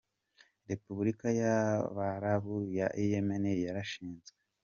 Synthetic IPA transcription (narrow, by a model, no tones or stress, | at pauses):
ɾe̞puβuɾikajaβaɾaβujaʔijemenejaɾaʃiːnzɡe